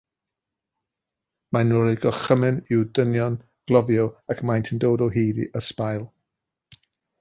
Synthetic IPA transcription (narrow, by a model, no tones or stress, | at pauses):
manʊɾɪɡɔχəmɪnɪwdənjɔn | ɡ̥lˠɔvjɔwakʰmajntʰəndoːdɔwɦiːdḭʔəspajlˠ